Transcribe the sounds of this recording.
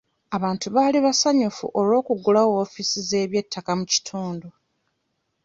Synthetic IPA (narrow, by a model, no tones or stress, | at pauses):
aβaːntuβaːliβasaɲufṵʔo̞lo̞ːkuɡulawofisize̞ːβje̞tʰːakamuci̥tʰuːndu